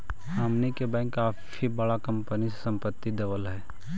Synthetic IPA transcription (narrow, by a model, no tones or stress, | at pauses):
haːmnikebɛ̃ːŋkːaːfʰ | ibɐɽakɐ̃mpənissɐ̃mpət̪ːid̪ɐʋəlɦɛː